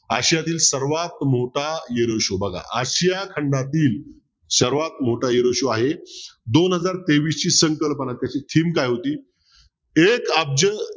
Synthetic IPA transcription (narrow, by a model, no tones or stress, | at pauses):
a̰ɕjat̪iːlsəɾʋat̪moʈajeɾəɕobəɡʱa̰ʔəɕjakʰəɳɖat̪iːl | səɾʋat̪moʈajeɾəɕoaɦed̪onɦəd͡zaɾt̪eʋiːst͡ɕiːsəŋkəlpənat̪jat͡ɕiːt̪ʰiːmkajɦot̪iː | ekəb̚d͡ʑə